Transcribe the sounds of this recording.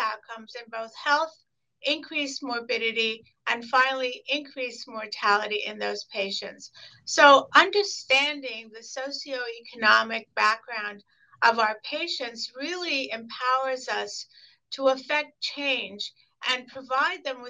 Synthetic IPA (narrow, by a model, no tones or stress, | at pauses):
aʊt̚kʰʌ̃mzɨ̃nboʊθhɛlˠθ | ʔɪ̃nkʰɹ̥ismɔɹbɪɾɨɾi | ʔɨ̃nfãɪ̃nl̩ˠiʔɪ̃nkʰɹ̥ismɔɹtʰælˠəɾiʔɪ̰̃nðoʊz̥pʰeɪʃɨ̰̃ntsː | oʊʔʌ̃ndə˞stæ̃ndɪ̃ŋðɨsoʊsioʊikʰɨnɑmɨk̚b̥æk̚ɡ̥ɹãʊ̃nd | ʔʌvaʊə˞pʰeɪʃɨ̃ntsɹɪlˠiɨ̃mpʰaʊə˞zʌs | tʰəəfɛk̚tt͡ʃʰẽɪ̃nd͡ʒ | ʔɨ̃npʰɹ̥ɨvaɪd̪̚ðɨ̃mwɨ